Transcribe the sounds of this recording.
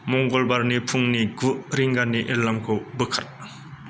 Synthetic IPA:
mɔŋɡɔlbaɾnipʰuŋniɡuʔɾiŋɡanːiʔiɾlamkʰɯwbɯkʰa̰t̚

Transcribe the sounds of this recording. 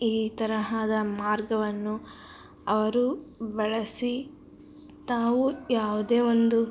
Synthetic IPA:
iːt̪ɐɾɐɦaːd̪ɐmaːɾɡɐʋɐnːu | ɐʋɐɾubɐɭɐsi | t̪aːʋujaːʋud̪e̞ːʋo̞nd̪u

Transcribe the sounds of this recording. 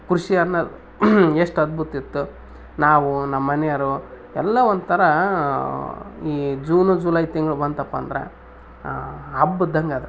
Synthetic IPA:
kɾuʂiɐnːɐ | eʂʈɐd̪̚bʱut̪it̪ːu | naːʋunɐmːɐnɛjɐɾu | ɛlːɐʋond̪ut̪ʰɐɾɐ | iːd͡ʒuːnud͡ʒulɐjt̪iŋɡɐɭubɐnɐpːɐ̰nd̪ɐɾḛ | ɦɐbːud̪ɐŋɡaːd̪ɾe

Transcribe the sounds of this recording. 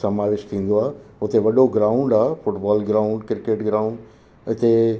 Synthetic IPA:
sɐmaːʋɪʃt̪ʰĩːn̆d̪oaːɦeʊt̪eʋɐɗoɡɾãːʊ̃ɳɖaːfʊʈbaːlɡɾaːʊ̃ɳɖkɪɾkeːʈɡɾaːʊ̃ɳɖ | ɐt͡ɕe

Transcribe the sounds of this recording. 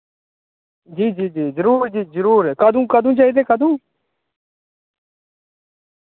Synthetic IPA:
d͡ʒiːd͡ʒiːd͡ʒiːzəɾuːɾd͡ʒiːzəɾuːɾɛkad̪ũːkaːd̪ũːt͡ʃaːiːd̪eːkʰaːd̪ũː

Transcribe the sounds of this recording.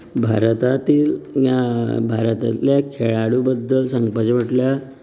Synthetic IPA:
bʱa̰ɾt̪at̪iːljabʱaɾt̪a̰t̪ljakʰeɭaɽubəd̪ːəlsəŋɡpad͡ʑəʋəʈlja

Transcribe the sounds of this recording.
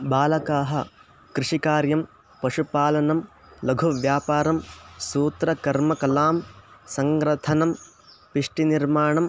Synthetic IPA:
baːlɐkaːɦɐ̰ | kɾiʂikaːɾjɐm | pɐʂupaːlɐnɐm | lɐɡʱuʋjaːpaːɾɐmsuːt̪ɾɐkɐɾmɐkɐlaːmsɐŋɡɾɐt̪ʰɐnɐm | piʂʈiniɾmaːɳɐm

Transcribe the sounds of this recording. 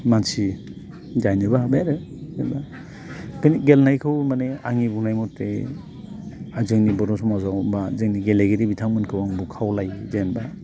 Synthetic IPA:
mansi | d͡ʒajnɯbaabeɾɯ | zenba | kʰɯniɡelnajkʰɯwmaneaŋibunajmɔtḛ | azɯŋnibɔɾɔsʰɔmazawbazɯŋniɡeleɡeɾibitʰaŋmɯnkʰɯwaŋbukʰawlajzenba

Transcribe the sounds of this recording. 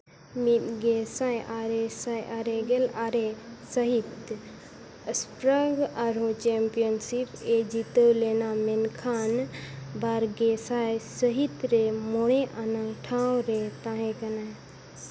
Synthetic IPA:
mitɡesajʔaɾesajʔaɾeɡelaːɾesəɦit̪ | əspɾəɡaɾot͡ʃeːmpijənsiped͡ʒit̪əwleːnamenkʰaːnbaɾɡesajsəɦit̪ɾemoɽẽʔanãʈʰãːwɾet̪ãːɦẽkɐna

